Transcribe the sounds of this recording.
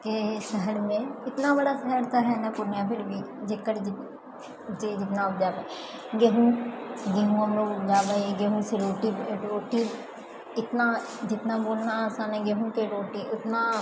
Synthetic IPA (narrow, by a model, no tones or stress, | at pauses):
kesəɦəɾmẽɪt̪nabəɽasəɦəɾt̪aɦɛnapʊnjãːpʰɪɾbiː | d͡ʒekːəɾɪ | d͡ʒed͡ʒɪt̪naːʊp̚d͡ʒaːba | ɡeɦũːɡeɦũəmnõʊpd͡ʒaːbaiɡeɦũːseɾoːʈibɖoːʈiː | ɪt̪na | d͡ʒɪt̪naboːlnasãːneɡeɦũkeɖoːʈiːʔɪt̪naː